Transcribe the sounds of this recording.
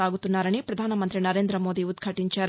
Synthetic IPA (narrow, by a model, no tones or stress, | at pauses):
aːɡut̪ːunːaːɾɐnipɾɐd̪ʱaːnɐmɐnt̪ɾinɐɾeːnd̪ɾɐmo̞ːd̪iud̪ɡʱɐʈiɲt͡ʃaːɾ